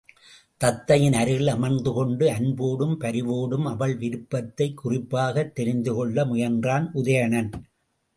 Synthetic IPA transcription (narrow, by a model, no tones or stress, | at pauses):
t̪ɐt̪ːɐjɪnɐɾɪɭɐmɐnd̪ɯkɔɳɖɯɐnboːɽɯmpɐɾɪʋoːɽɯmɐʋɐɭʋɪɾɯpːɐt̪ːɐɪkːʊrɪpːaːɣɐt̪ːɛɾɪnd̪ɯkɔɭːɐmʊjɐndraːnʔʊðɐjɐɳɐn